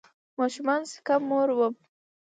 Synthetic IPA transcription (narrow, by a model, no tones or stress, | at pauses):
mɑʃumɑnsɪ̥kamːoɾwəm